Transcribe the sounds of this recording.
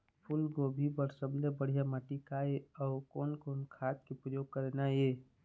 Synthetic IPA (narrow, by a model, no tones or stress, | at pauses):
pʰulɡobʱibəɾsəblebəɽ̤ijamaʈikaeɔʊkɔːnkɔːnkʰaːt̪̚kepɾəjoːɡ̚kəɾenae